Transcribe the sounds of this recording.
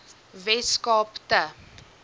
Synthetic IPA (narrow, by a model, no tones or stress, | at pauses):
vɛskɑːptə